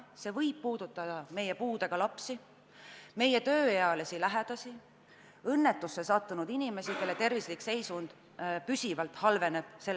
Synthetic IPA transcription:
se̞ːvɤjb̥̚puːd̪̥ut̪ːˑɑd̪̥ɑme̞jepuːd̪̥e̞ɡ̥ɑlɑpsi | me̞jet̪ø̞ːjeɑlesilæɦɛd̪̥ɑsi | ɤnːe̞t̪ːˑusːe̞sɑt̪ːunud̪̥inime̞sike̞lːet̪e̞rvislikse̞jsund̪̥ | pysʲivɑlt̪hɑlve̞ne̞b̥̚selː

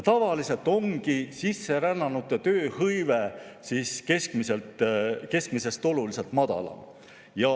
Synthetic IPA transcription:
t̪ɑvɑlise̞lt̪ˑo̞ŋɡisisːe̞ɾænːɑnut̪ːˑet̪øːhɤjvesiːske̞skmiselt̪ˑke̞skmise̞st̪o̞lulise̞lt̪mɑd̪̥ɑ̰lɑ̰ | jɑ

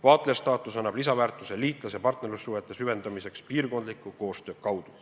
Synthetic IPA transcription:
vɑːt̪le̞st̪ɑːt̪ˑusɑnːɑb̥lisɑvæːrt̪ːˑuse̞liːt̪ˑlɑsepɑrt̪ne̞ɾlusːuɦe̞t̪ːˑesyve̞nd̪̥ɑmise̞kspiːrko̞nd̪likːˑuko̞ːst̪ø̞ːkɑwd̪̥u

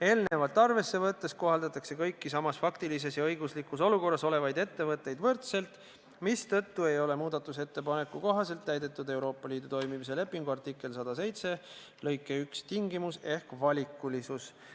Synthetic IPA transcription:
e̞ːlne̞vɑt̪ːˑɑrve̞sːe̞vɤt̪ːe̞st̪̚ko̞ɦɑld̪ɑt̪ːˑɑkse̞kɤjkːisɑmɑsfɑkt̪ilis̬e̞sjɑɤjɡuslikːuso̞luko̞rːɑso̞le̞vɑjd̪e̞t̪ːe̞vɤt̪ːˑe̞jd̪vɤrt̪se̞lt̪ˑ | mist̪ɤt̪ːue̞jo̞le̞muːd̪̥ɑt̪ːˑuse̞t̪ːe̞pɑne̞kːˑuko̞ɦɑse̞lt̪ːæjd̪e̞t̪ːˑud̪e̞wɾo̞ːpˑːɑliːd̪̥ut̪o̞jmimis̬e̞le̞pːˑiŋɡ̥uɑrt̪ikːˑe̞lsɑd̪̥ɑse̞jt̪se̞ | lɤ̞jkːˑeykst̪iŋɡimuse̞hkvɑlʲikːˑulisus

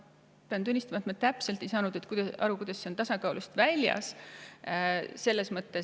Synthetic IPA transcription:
peɑnt̪unʲːist̪ɑmɑt̪ːˑmɑt̪æpse̞lt̪ːˑejsɑːnud̪̥e̞t̪kujd̪̥ɑʔɑ̰ɾukujd̪̥ɑsːe̞ont̪ɑsɑkɑuwlust̪vælʲjɑ̰s | se̞lːe̞smɤt̪ːˑe̞

